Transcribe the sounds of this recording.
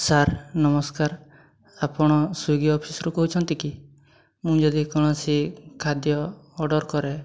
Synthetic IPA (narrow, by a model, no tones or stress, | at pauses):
saɾnɔmɔskaɾ | apɔɽ̃ɔsuɡiɔpʰisɔɾukɔɦut͡ʃʰɔnt̪iki | mũd͡ʒɔd̪ikɔɽ̃ɔsikʰad̪jɔːɖɔɾkɔɾe